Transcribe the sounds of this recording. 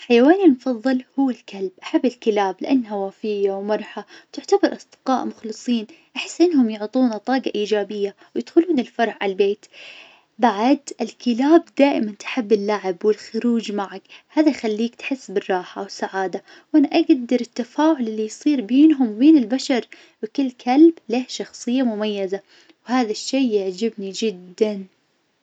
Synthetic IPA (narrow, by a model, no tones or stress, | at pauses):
ħajawaːnimfɑðˤːɨlhʊwːɪlkalbʔaħabːɪlkɪlaːblɪʔanːɦawaːfɪjːawmɑɾˤħat̪ɪʕt̪abɑɾˤʔɑsˤd̪̥ɪ̥qɑːʔmʊxlɨsˤiːn | ʔaħɪ̥sːʔɪnːhʊmjʊʕt̪ˤuːnat̪ˤɑːɡɑʔiːd͡ʒaːbɪjːa | wjɪd̪xʊluːnɪlfɑɾˤʕʕa̰lbeːt̪ | baʕad̪ɪlkɪlaːb̚d̪aːʔɪmant̪ħɪbːɪlːaʕɪbwɪlxʊɾuːd͡ʒmaʕakhaːðajxalːiːkt̪ħɪsːbɪrˤːɑːħa̰wɪsaʕaːd̪a | wʔanaʔaɡd̪ɑɾˤɪt̪ːafaːʕʊlɪlːijsˤiːɾbeːnɦʊmbeːnɪlbaʃɑɾˤ | wɪkɪlːkʰalbleːhʃɑxsˤɨjːamʊmajːaza | whaːðaʃːeːaʕd͡ʒɪbnid͡ʒɪd̪ːan